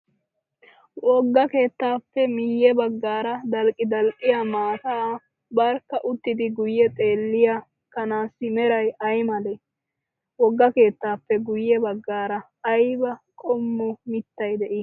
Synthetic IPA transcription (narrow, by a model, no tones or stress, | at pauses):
wɔɡːɐke̞ːt̪ːaːpːɛmɪjːɛbɐɡːaːɾɐd̪ɐlkʼːɪd̪ɐlʔʼɪjamaːt̪aː | bɐɾkːɐʔʊt̪ːɪd̪ɪɡʊjːɛt̪ʼe̞ːlːɪja | kɐnaːsːɪmɛɾɐjɐjmɐle | wɔɡːɐke̞ːt̪ːaːpːɛɡʊjːɛbɐɡːaːɾɐː | jbɐkʼɔmːʊmɪt̪ːɐjd̪ɛʔi